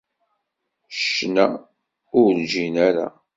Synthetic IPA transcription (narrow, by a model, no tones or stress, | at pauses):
ʃnæ | ʊɾɾd͡ʒinæɾa̰